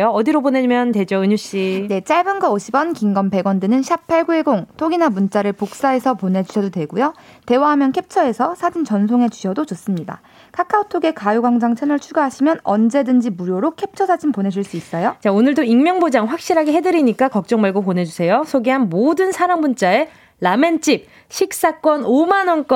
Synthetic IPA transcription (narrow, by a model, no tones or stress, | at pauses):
joʌdiɾobonemjʌnted͡ʑoɯɲuɕ͈ine̞t͡ɕ͈aɭbɯnɡʌoɕʰibʌnkiŋɡʌmpe̞ɡwʌndɯnɯnɕʰap̚pʰːaɭɡueɡoŋtʰoɡinamunt͡ɕ͈aɾɯɭpok̚s͈ae̞sʰʌponɦe̞d͡ʑuɕʰʌdodwe̞ɡujo | te̞waɦamjʌnkʰe̞p̚t͡ɕʰʌe̞sʰʌsʰad͡ʑint͡ɕʌnsʰoŋe̞d͡ʑuɕʰʌdod͡ʑos͈ɯmɲida̰ | kʰakʰaotʰoɡe̞kajuɡwaŋd͡ʑaŋt͡ɕʰenʌɭt͡ɕʰuɡaɦaɕʰimjʌnʌ̰nd͡ʑe̞dɯnd͡ʑimuɾjoɾokʰe̞p̚t͡ɕʰʌsʰad͡ʑimponɦe̞d͡ʑuɭs͈uis͈ʌjot͡ɕaonɯɭdoiŋmjʌŋbod͡ʑaŋɸwak̚ɕ͈iɾɦaɡeɦe̞dɯɾiɲik͈akʌk̚t͡ɕ͈ʌŋmaɭɡopone̞d͡ʑusʰe̞josʰoɡeɦanmodɯnsʰaɾaŋbunt͡ɕ͈ae | lament͡ɕ͈ip̚ | ɕʰik̚s͈ak͈wʌnomanwʌnk͈ʌ